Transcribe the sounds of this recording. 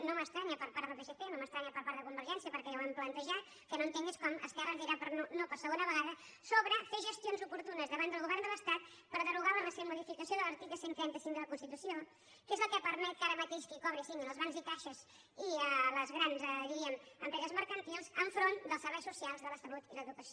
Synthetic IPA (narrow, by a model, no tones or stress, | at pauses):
noməst̪ɾaɲəpəɾpaɾðəlˠpeʃepenoməst̪ɾaɲəpəɾpaɾðəkumbəɾʒɛnsiəpəɾkɛawamplənt̪əʒat̪ | kənoənt̪eŋɡiskɔmə̰skɛrəziɾapəɾnonopəɾsəɣonəβəɣaðə | soβɾəfeʒəst̪jonzupuɾt̪unəzðəβand̪əlˠɣuβɛrnd̪əlˠəst̪at̪ | pəɾðəruɣaləməseβəmuðifikəsijoðələɾt̪ikləsent̪ɾɛnt̪əsiŋd̪ələkunst̪it̪usio | kezləkəpəɾmɛt̪̚kaɾəmət̪eʃkikɔβɾisiŋənəlˠzβanzit̪aʃəz | iələzɣɾanzðiɾiəməmpɾɛzəzməɾkənt̪ilˠzəɱfɾond̪əlˠsəɾβɛjsusialˠzðələsəlut̪iləðukəsio